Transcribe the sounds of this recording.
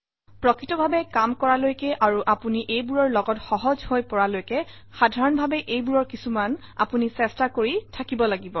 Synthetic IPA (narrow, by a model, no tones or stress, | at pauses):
pɹɔkɹitɔbʱabɛkamkɔɹalojkɛʔaɹuʔapuniʔejbuɹɔɹlɔɡɔtxɔɦɔzhojpɔɹalojkɛ | xadʱaɹɔnbʱabɛʔejbuɹɔɹkisuman | a̰punisɛstakoɹitʰakibɔlaɡibɔ